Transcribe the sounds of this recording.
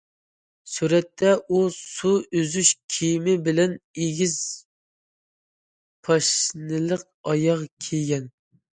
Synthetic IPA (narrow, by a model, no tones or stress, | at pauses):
suɾɛt̪ʰːɛʔusuøzyʃkʲʰijmɪbɪlɛneɡʲiz̥ | pʰɑʃnɨlˠəq̚ɑjɑʁkʲʰeɡʲɛn